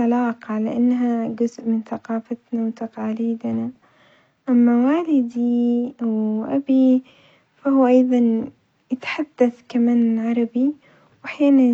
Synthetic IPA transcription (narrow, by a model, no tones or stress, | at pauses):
alɑːqɑʕlaʔanːɦaɡʊzʔmɪnθaqɑːfat̪nawt̪aqɑːliːd̪na | ʔamːawaːlɪd̪iawʔa̰bi | fahʊːʔɑjðˤɑn | jɪt̪ħad̪̥ːaθkamaːnɪlʕɑɾˤɑbi | wʔaħjaːnan